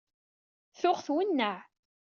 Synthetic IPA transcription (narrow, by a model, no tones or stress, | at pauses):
θʊʁθwənːəʕ